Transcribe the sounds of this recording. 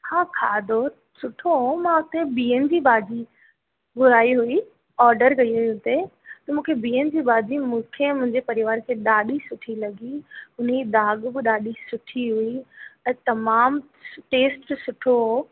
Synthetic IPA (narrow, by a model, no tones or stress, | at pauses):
hãːkʰaːd̪ʱo | sʊʈʰoɦomãʊt̪ebiːənɪ̆d͡ʑiːbaːd͡ʑi | bʊɾaːiɦui | ɔːɾɖəɾkɐiɦuiʊt̪et̪ɐmũːkʰebiːənɪ̆d͡ʑiːbaːd͡ʑimũːkʰemʊ̃ɦɪ̃ɲd͡ʑepɐɾɪʋaːɾkʰeːɗaːɗisʊʈʰilɐɡiʊneid̪aːɠbɪɗaːɗisʊʈʰiɦuiɛ̃ːt̪ɐmaːm | ʈeːsʈsʊʈʰoɦo